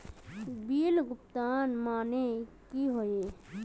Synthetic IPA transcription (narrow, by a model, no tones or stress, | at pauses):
biːlɡʊp̚t̪aːnmaːnekiɦoe